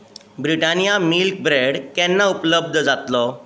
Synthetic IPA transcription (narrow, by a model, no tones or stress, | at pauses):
bɾiʈanijamilk̚bɾeɽkɛnːaupləb̚d̪ʱd͡zat̪lɔ